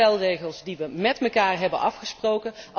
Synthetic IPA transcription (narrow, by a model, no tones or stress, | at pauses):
ɛlˠrejχəlˠzdiʋəmɛtməkaːɹɦɛbənʔɑfχəsprowkənʔ